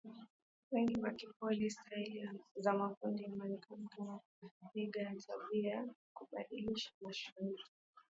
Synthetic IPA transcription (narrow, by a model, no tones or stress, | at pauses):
wɛŋɡiwakipɔlistailizamakundimanikaku | iɡajatʰaɓiakuɓaɗiliʃḁmaʃuuli